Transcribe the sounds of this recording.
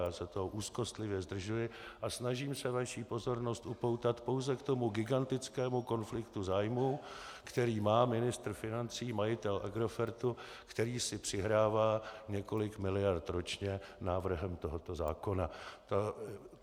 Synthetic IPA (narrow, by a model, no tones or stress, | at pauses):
aːsɛt̪oɦoʔuːsko̞st̪lɪvjɛzd̪r̩ʒujɪʔasnaʒiːmsɛvaʃiːpo̞zo̞ɾno̞st̪ʔupo̞wt̪at̪po̞wzɛkt̪o̞muɡɪɡant̪ɪt͡skɛːmuko̞nflɪkt̪uzaːjmuːkt̪ɛɾiːmaːmɪnɪst̪r̩fɪnant͡siːmajɪt̪ɛlʔaɡɾo̞fɛɾt̪u | kt̪ɛɾiːsɪpr̝̥ɪɦɾaːvaːɲɛko̞lɪkmɪlɪjaɾt̪ɾo̞t͡ʃɲɛnaːvr̩ɦɛmt̪o̞ɦot̪o̞za̰ːko̞nat̪a